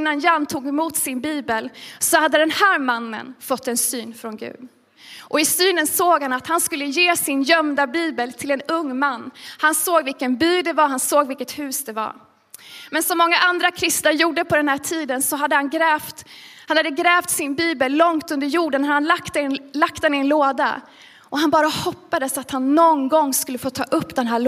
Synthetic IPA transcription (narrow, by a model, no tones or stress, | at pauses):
nːanjanːt̪ʰuːɡɛmuːt̪sɪnbiːbəlsɔhad̪ːəd̪ɛnhæːɾmanːə̰nfɔt̪ʰːɛnsyːnfɾɔnɡʉ̰ːd̪ | ʔɔɪsyːnənsoːɡhanat̪hanskɵlːəjeːsɪnjœmd̪abiːbəlt̪ʰɪlɛnɵŋːmanːhansoːɡvɪlkənbyːd̪ɛvaɦansoːɡvɪlkət̪hʉ̟ːsd̪ɛva̰ɾ | mɛnsɔmːɔŋːaʔand̪ɾakʰɾɪst̪naɾjuːɖəpʰɔd̪ɛnhæːʈʰiːd̪ənsɔɦad̪ːəhanɡɾɛːft̪hanhad̪ːəɡɾɛːft̪sɪnbiːbəlːɔŋt̪ɵnd̪əɾjuːɖənhad̪əhanlakt̪ɛlak̚t̪ɛnɪɛnloːd̪a̰ | ʔɔɦanbɑːɾahɔpːad̪əsat̪hanːɔnɡɔŋːskɵlːəfoːt̪ʰɑ̰ːʔɵpːd̪ɛnɦæːɭ